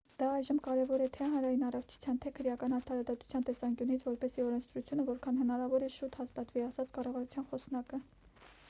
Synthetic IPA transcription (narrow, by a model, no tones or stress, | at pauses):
d̪̥ɑɑjʒəmkɑɾɛvɔɾɛt̪ʰɛɦɑnɾɑjinɑrɔft͡ʃʰu̥t͡sʰjɑnt̪ʰɛkʰəɾjɑkɑnɑɾt̪ʰɑɾɑd̪ɑt̪u̥t͡sʰjɑnt̪ɛsɑŋkʲjunit͡sʰvɔɾpɛsiɔɾɛnt͡sʰd̪ɾut͡sʰjunəvɔɾkʰɑnhənɑɾɑvɔɾɛʃut̪hɑst̪ɑt̪viɑsɑt͡sʰkɑrɑvɑɾut͡sʰjɑnχɔsnɑkə